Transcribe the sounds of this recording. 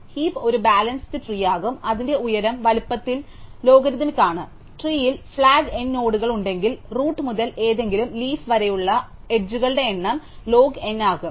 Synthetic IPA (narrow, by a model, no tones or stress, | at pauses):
hiːpo̞ɾubaːlɐnst̪ɨʈriːjaːɣumɐðinde̞ujɐɾɐmʋɐlupːɐt̪ːillo̞ːɡɐɾid̪ɐmikʲːaːɳɨ | ʈriːjilfɭaːɡe̞nːo̞ːɽuɣɐɭuɳɖe̞ŋɡilruːʈːmuðɐlʔe̞ːðe̞ŋɡilumliːfʋɐɾɐjuɭːɐ | eʈ̚d͡ʑuɣɐɭɨɽe̞ːɳːɐm | lo̞ːɡe̞nːaːɣum